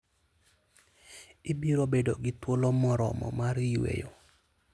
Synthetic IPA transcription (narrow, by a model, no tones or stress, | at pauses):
ɪbiɾobedoɡɪtwolomɔɾɔ̰mɔ̰maɾɪwḛjo